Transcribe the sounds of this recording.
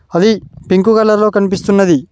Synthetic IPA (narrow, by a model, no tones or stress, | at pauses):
ɐd̪ipiŋkukɐlːɐɾlo̞ːkɐnip̬ist̪unːɐd̪i